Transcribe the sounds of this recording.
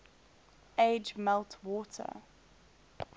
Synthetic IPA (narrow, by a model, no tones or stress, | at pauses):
eɪd͡ʒmɛlˠtʰwɔːˑtʰə̰